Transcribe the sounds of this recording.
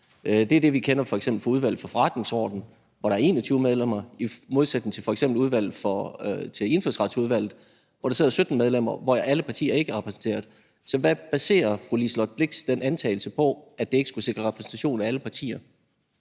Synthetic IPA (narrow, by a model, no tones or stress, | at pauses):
d̥e̝æɐd̥e̝ʋikʰenɐfɒ̽eɡ̥sem̰b̥l̩fɒ̽uðˠʋæl̰ð̩fɒ̽fɒ̽ʁɑ̈d̥ne̝ŋsɒ̰ːd̥n̩ | ʋɒɾ̥ɑ̈æɐe̝ːnɒt͡sʰyːʊmeð̞ˠlem̰ɐimo̝ðˠsæd̥eŋt͡sʰe̝fɒ̽eɡ̥semb̥l̩uð̞ˠʋæl̰ð̩ˠfɒt͡sʰe̝le̝nføsʁɑ̈d̥suð̞ˠʋæl̰ð̩ˠ | ʋɒɾ̥ɑse̝ðˠɐsød̥n̩með̞ˠlem̰ɐʋɒææləpʰɑ̈t͡sʰḭːɐe̝ɡ̥əæɐʁɛpʰʁɛsn̩t͡sʰe̝̰ːɐðˠ | sɒ̽ʋæb̥æse̝̰ːɐfʁulislɒd̥̚b̥le̝ɡ̥sd̥enʔænt͡sʰɛ̰ːɪl̩səpʰɒ̽æd̥e̝e̝ɡ̥ə̥sɡ̥use̝ɡ̥ʁɐʁɛpʰʁɛsn̩t͡sʰæɕo̝̰ːn̩ææləpʰɑ̈t͡sʰḭːɐ